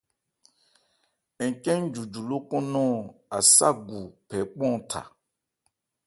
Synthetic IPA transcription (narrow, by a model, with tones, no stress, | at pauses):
ɛ˨kɛ̃˦n˦d͡ʒu˨d͡ʒu˨lo˦kɔ̃˦nɔ̃˦˨a˨sa̰˦ɡu˨pʰɛ˨˦k͡pɔ̃˦˨tʰa̰˨